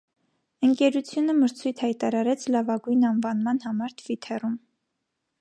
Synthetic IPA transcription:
əŋkɛɾut͡sʰjunəməɾt͡sʰujt̪ʰhɑjt̪ɑɾɑɾɛt͡sʰlɑvɑɡujnɑnvɑnmɑn̪hɑmɑɾt̪ʰv̥it̪ʰɛrum

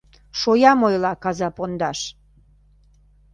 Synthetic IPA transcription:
ʃojɑmojlɑkɑzɑpond̪ɑʃ

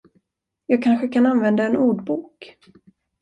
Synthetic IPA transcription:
jɑːɡ̚kʰanɧəkʰananvɛnd̪aɛnuːɖbuːk

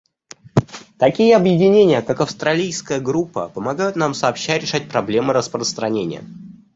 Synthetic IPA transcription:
t̪ɐkʲijəɐbjɪdʲɪnʲenʲɪjəkakɐfst̪ɾɐlʲijskəjəɡɾupːə̰pəmɐɡajʊt̪namsɐːpɕːæɾʲɪʂat̚ʲpɾɐblʲe̞mɨɾəspɾəst̪ɾɐnʲenʲɪ̰jə̰

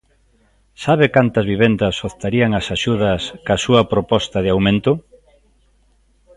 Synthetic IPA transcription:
saβ̞ɪkant̪ɐzβiβ̞end̪ɐsoθt̪aɾiɐŋɐsaʃuðɐskasuɐpɾopɔst̪ɐðɪawmẽnt̪ʊ

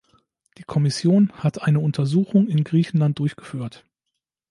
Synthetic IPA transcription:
d̥iːkʰɔmɪsjoːnhatʔaɪnəʊntʰɐzuːxʊŋɪnɡʁiːçn̩lant̚d̥ʊɐçɡ̥ə̥fyːɐt

